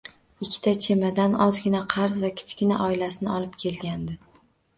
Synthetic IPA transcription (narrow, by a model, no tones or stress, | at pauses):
ɪkʲʰːɪ̥t̪ʰat͡ʃʰe̞mad̪anɒzɡʲɪnaqʰɑɾzvakʲʰɪ̥t͡ʃkʲɪnaʔɒɪlasɪnɪɒlˠɪpkʲʰe̞lɡʲand̪ɪ